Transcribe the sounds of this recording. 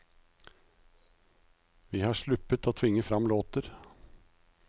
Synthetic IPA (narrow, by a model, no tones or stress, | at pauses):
ʋiːhɑːʂɭʉpət̪oːt̪ʰʋɪŋːəfɾɑmloːt̪əɾ